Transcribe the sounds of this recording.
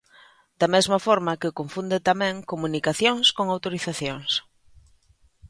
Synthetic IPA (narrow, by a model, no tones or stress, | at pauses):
d̪̥amezmɐfɔɾmɐkɪkoɱfund̪et̪amɛ̃ŋkomunikaθjoŋskoŋawt̪oɾiθaθjoŋs